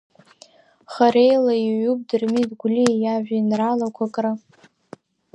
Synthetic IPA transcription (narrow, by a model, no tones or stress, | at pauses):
χaɾejlaiʕub̚ʼdɨrmidɡʷlijaʒʷᶣainralakʷʰakʼra